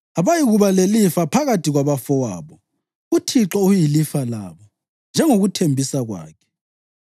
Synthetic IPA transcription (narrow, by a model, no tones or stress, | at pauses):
aβajiɣuβalelifapʰaɣatʰiɣwaβafɔwa̰ːβɔ | utʰiǁɔujilifala̰ːβɔ | nd͡ʒʱɛŋoɣutʰembʱisaɣwa̰ːkʰɛ̥